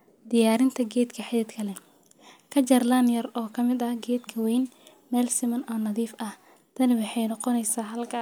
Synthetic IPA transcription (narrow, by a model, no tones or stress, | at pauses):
d̪ɪjaːɾɪnt̪ʰɐɡɛːd̪kʰɐħɪðɛd̪kʰɐlɛ | kʰɐt͡ʃɐrlɐnjɐrɔːkʰɐmɪd̪ɐhɡɛːd̪kʰɐwɛjn | mɛːlsɪmɐnɔːnɐðiːfʔɐh | t̪ʰɐnɪwɑħɑjnɑqɔnɛjsaːɦɐlkʰɐ